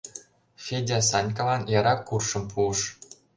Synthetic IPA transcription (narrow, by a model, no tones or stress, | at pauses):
fʲedʲɑs̬ɑnʲkɑlɑnjɑɾɑkːurʃɤ̆mpʰuə̆ʂ